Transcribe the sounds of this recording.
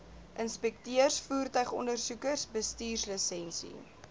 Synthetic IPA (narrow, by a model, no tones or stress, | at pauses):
ʔənspɛk̚tiərsfuːrtœɥχɔndərsukərsbəstiːrsləsɛnsḭ